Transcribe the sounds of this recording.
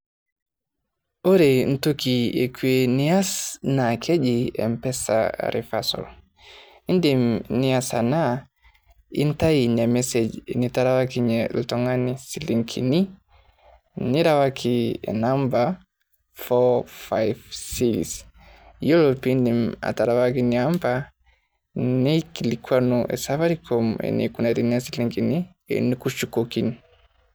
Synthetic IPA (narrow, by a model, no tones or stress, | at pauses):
oɾen̩tokiekweniasnakʰed͡ʒiḛmpɛsa̰ɾḭfasɔ̰l | indimniasana | ḭntajiɲemesed͡ʒnitaɾawakiɲeltoŋanisiliŋkʰḭni | niɾawakʰḭnamba | fɔfa̰jvsis | jɔlɔpindima̰taɾawakiniampa | nikilikwanuʔɛ̰savaɾikʰɔmɛ̰nḭkunaɾiniasiliŋkinḭ | nikuʃukɔkini